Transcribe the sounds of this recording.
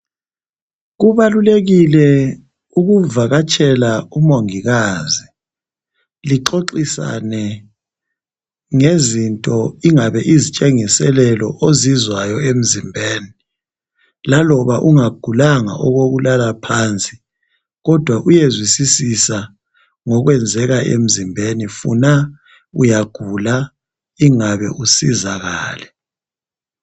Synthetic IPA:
ɣuβaluleɣilɛ | uɣuvaɣat͡ʃʼɛlaumoŋiɣaːzi | liǃoǃisa̰nɛ | ŋezintʼɔiŋaβɛʔizit͡ʃʼɛŋisɛlɛlɔ̰ʔozizwajɔem̩zimbʱeːni | lalɔβaʔuŋaɡ̥ʱulaŋa̰ʔɔɣoɣulalapʰaːnt͡sʼi̥ | ɣɔd̥ʱwaʔujezwisisisa | ŋɔɣwɛnd͡zʱɛɣaʔḛm̩zimbʱenifṵna | ṵjaɡ̥ʱula | iŋaβɛ̰ʔusizaɣa̰ːlɛ

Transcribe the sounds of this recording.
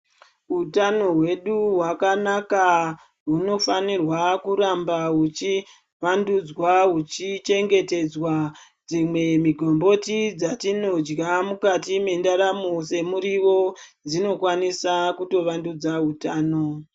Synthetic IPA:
ɦutano̞ɦwe̞ɗuɦwakanaka | ɦuno̞fanirwakuɾambaɦut͡ʃi | ʋandud͡zwaɦut͡ʃit͡ʃe̞ŋɡe̞te̞d͡zwa | d͡zimwe̞miɡʱo̞mbo̞tid͡zatino̞d͡ʒɡamukatime̞ndaɾamose̞muɾiʋo̞d͡zino̞kwanisakuto̞ʋandud͡zaɦutaːno̞

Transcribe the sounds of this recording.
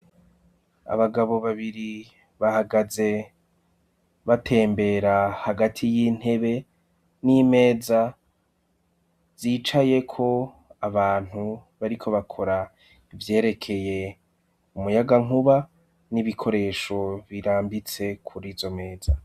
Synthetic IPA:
a̰βaɡaβo̞βaβiɾi | βahaɡaze̞ | βatʰe̞ːmbe̞ɾahaɡatʰijiːn̥he̞βe̞ | nime̞ːza | z̥iːt͡ʃaje̞kʰo̞ | aβaːn̥huβaɾikʰo̞βakʰo̞ɾa | ivje̞ːɾe̞kʰe̞je̞ | umujaɡaŋuβa | niβikʰo̞ɾe̞ʃo̞βiɾaːmbit͡se̞kʰuɾiːzo̞me̞ːza

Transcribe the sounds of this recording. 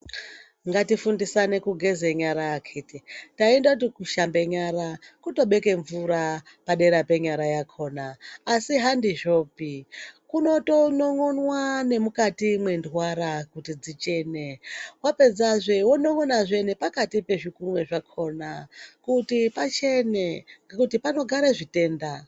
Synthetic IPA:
ŋɡatifundisane̞kuɡʱe̞zeɲaɾakʰetitaendakutikuʃambe̞ɲaɾakuto̞ɓe̞ke̞ɱvuɾa | paɗe̞ɾape̞ɲaɾajakʰo̞ːnaːsiɦandiʒo̞ːpikuno̞to̞noŋonwane̞mukatimwe̞ndwaɾakutid͡zit͡ʃe̞newape̞d͡zaʐewonoŋonaʐe̞nepakatipe̞ʐikumwe̞ʐakʰo̞nakutipat͡ʃe̞nekutipano̞ɡʱaɾeʐite̞ːnda

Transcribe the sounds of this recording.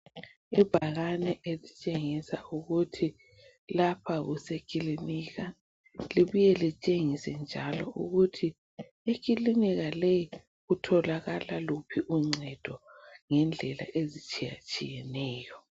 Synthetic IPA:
ib̥ʱaɣanɛʔelit͡ʃʼeŋisauɣutʰi | lapʰaɣusekʼiliniɣa | liβujɛlit͡ʃʼeŋisɛnd͡ʒʱalɔʔṵɣutʰi | ek̬ʰʼiliniɣalɛj | ɣutʰɔlaɣalalupʰiʔuŋ͡ǀɛd̥ʱɔŋɛnd͡ɮʱɛla̰ʔezit͡ʃʼija̰t͡ʃʼḭjɛnɛːjɔ

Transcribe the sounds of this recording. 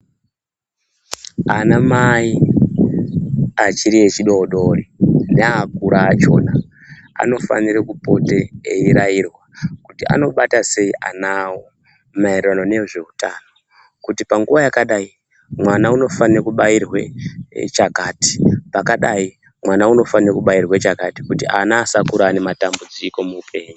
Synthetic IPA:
anamai | at͡ʃiɾiet͡ʃiɗo̞oɗo̞rineakuɾaːt͡ʃo̞̰na | a̰no̞fa̰niɾakupo̞te̞eiɾajirwakutia̰no̞ɓatase̞iʔa̰nawo | maereranone̞ʐe̞utaːno̞ | kutipaŋɡuʋajakaɗai | mwanauno̞fanirakuɓairwe̞̰t͡ʃakaːti̥pakaɗai | mwanauno̞fanirekuɓairwet͡ʃakati̥kutiʔanaːsakuɾaːne̞matambud͡ziko̞muːpʰe̞ːɲu

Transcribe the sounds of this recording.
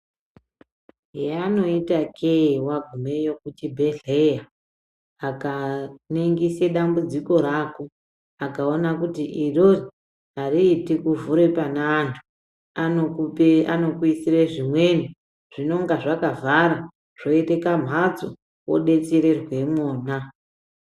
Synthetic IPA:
ɦeano̞itakʰewaɡʱume̞jo̞kutibʱe̞ɮejaː | kaneŋɡiseɗambud͡ziko̞ɾaːko | akaonakutiʔirori | ariːtikuvuɾepanaːntʰu̥ | a | ano̞kuisireʐimwe̞ni | ʐ̥ino̞ŋɡaʐakavʱaɾa | ʐ̥o̞itekam̤ɦat͡so̰ | wo̰ɗe̞t͡seɾerwe̞moːna

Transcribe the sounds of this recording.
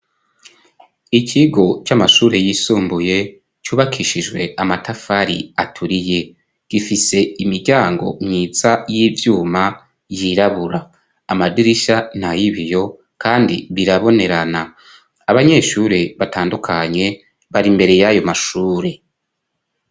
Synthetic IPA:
icʰiɡo̞t͡ʃamaʃuːɾe̞jiːsuːmbuje̞ | t͡ʃuːβakʰiʃiʒwe̞amatafaɾḭatʰuɾije̞ | ɡ̥ifise̞imiɾɟaːŋɡo̞̰mɲiːzajiːvjuːma | jiɾaβuɾaː | madiɾiʃan̥hajiβijo̞ | kaːndḭβiɾaβo̞ne̞ɾanaː | βaɲe̞ːʃuɾe̞βataːndukʰaɲe̞ | βaɾimbe̞ɾe̞jajo̞maʃuːɾe̞

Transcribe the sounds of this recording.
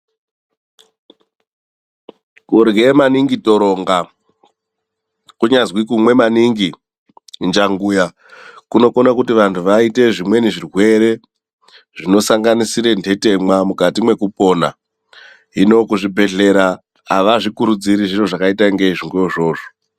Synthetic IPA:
kuɾɡemaniŋɡito̞ɾo̞ŋɡa | kuɲazwikumwe̞maniŋɡi | nd͡ʒaŋɡuja | kuno̞konakutiʋantʰuʋaite̞ʐimwe̞niʐirwe̞ɾe̞ | ʐino̞saŋɡanisiɾe̞ndʱe̞te̞mwamukatimwe̞kupo̞na̰ | ino̞kuʐibʱe̞ɮe̞ɾaː | ʋaʐikuɾud͡ziɾiʐiro̞ʐakaitaŋɡeiʐiŋɡeoʐo̞ːʐo

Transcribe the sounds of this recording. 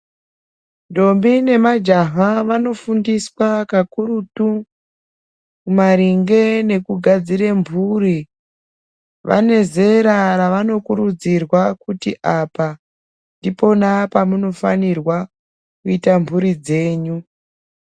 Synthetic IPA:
ndo̞mbine̞mad͡ʒaɦaʋano̞fundiswakakuɾutu | mumaɾiŋɡe̞ne̞kuɡʱad͡ziɾembʱuri | ʋa̰ne̞ze̞ɾaɾaʋano̞kuɾud͡zirwakutiʔapa | ndipo̞napamuno̞fa̰nirwa | kuitambʱuɾid͡ze̞ːɲu

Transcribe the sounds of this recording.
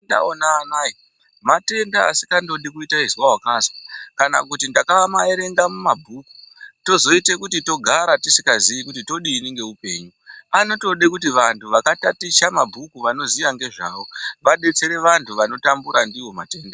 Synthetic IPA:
da̰onaːnaːi | mate̞ndaa̰si̥kando̞ɗikuitaizwaɦwakazwakana̰kutindakaʋamaeɾe̞ŋɡamumabʱuku̥to̞zo̞ite̞kutito̞ɡʱaɾatisi̥kaziʋikutito̞ɗiːniŋɡe̞upe̞̰ːɲuano̞to̞ɗekutiʋantʰuʋakatatiʃamabʱukuʋano̞ziʋaŋɡe̞ʐa̰ːʋo̞ʋaɗe̞t͡se̞ɾe̞ʋantʰuʋano̞tambuɾandiwo̞ma̰te̞ːnda

